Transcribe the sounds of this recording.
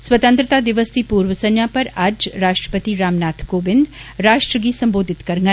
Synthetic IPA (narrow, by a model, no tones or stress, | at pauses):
swɐt̪ə̃nt̪ɾət̪aːd̪iʋəst̪ipuːɾʋəsɐnjaːpɐɾaːd͡ʒɾaːʃʈɾə̥pət̪iɾaːmnaːt̪ʰkoːbɪnd̪ɾaːʃʈɾəɡiːsɐmboːd̪ʱɪt̪kɐɾŋɡə